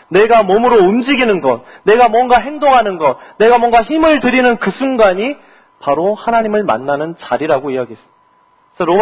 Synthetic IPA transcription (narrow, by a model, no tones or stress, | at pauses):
ne̞ɡamʌmɯɾoumd͡ʑiɡinɯnɡʌt̚ | ne̞ɡamwʌnɡaɦe̞ŋdoŋɦanɯnɡʌt̚ne̞ɡamwʌŋɡaçimɯɭtɯɾinɯnkɯsʰunɡaɲi | paɾohanaɲimɯɭma̰nːanɯnt͡ɕaɾiɾaɡoiaɡies͈ɯ | sʰʌɾom